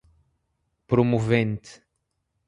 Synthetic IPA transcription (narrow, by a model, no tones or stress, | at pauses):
pɾomuvẽnt̪